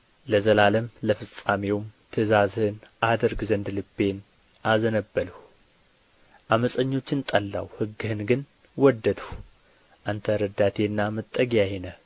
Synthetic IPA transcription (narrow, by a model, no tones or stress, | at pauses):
ləzəlaləmləfɨsʼamewmt̪ʰɨzazhɨnʔad̪əɾɡzənd̪lɨbːe̞n | ʔazənəbːələh | ʔaməsʼəɲːo̞t͡ʃːɪnt̪ʼəlːa̰whɨɡːɨhɨnɡɨn | wɔd̪ːəd̪h | ʔant̪ʰəɾəd̪at̪ʰe̞nːamət̪ʼːəɡjajenə